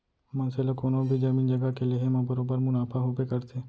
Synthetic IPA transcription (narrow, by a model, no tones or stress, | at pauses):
mənselokonobʱid͡ʒəmiːnd͡ʒəɡakeleɦemãbəɾobəɾmʊnapʰaɦubekəɾt̪ʰe